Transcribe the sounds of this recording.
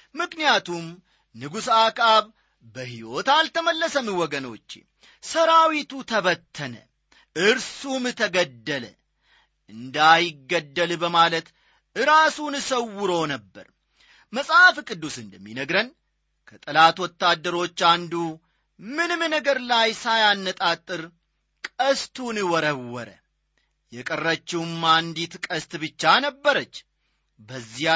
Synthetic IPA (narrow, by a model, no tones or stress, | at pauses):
mɨknijat̪ʰum | nɨɡusakʼaβ | bəɦiwo̞t̪alt̪ʰəməlːəsəmiwɔɡəno̞̰t͡ʃː | səɾawit̪ut̪ʰəβət̪ʰːənə̰ | ʔɨɾsumɨt̪ʰəɡəd̪ːələ | ʔɨnd̪ajɪɡːəd̪ːəlbəmalət̪ | ɨɾasunɨsəwːɨɾonəbːə̰ɾ | məsʼafkʼɨd̪ːusɨnd̪əmːinəɡɾən | kʰət̪ʼɨlat̪wɔt̪ːad̪ːəɾo̞t͡ʃːand̪u | mɨnɨmnəɡəɾlajsajanːət̪ʼat̪ʼːɨɾ | kʼəst̪ʰunɨwɔɾəwːɔɾə̰ | jɛkʼərːət͡ʃːɪwmmand̪it̪kʼəst̪bɨt͡ʃːanəbːəɾət͡ʃː | bəzːi